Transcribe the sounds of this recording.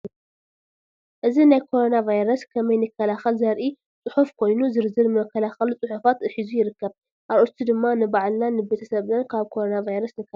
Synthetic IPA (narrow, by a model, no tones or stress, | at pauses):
ʔɨzinajkʰo̞ɾo̞navajɾɐskʰɐmɐjnɨkʰːɐlaxɐlzɐɾʔi | t͡sʼɨħufkʰo̞jnuzɨɾzɨɾmɐkʰːɐlaxɐlut͡sʼɨħufat̪ɨħizujɪɾɨkːɐβ | ʔaɾʔot̪ʰːid̪ɨmːanɨbaʕlnanɨbet̪ʰɐsɐβnɐnkʰaβkʰo̞ɾo̞navajɾɐsnɨkʰːɐ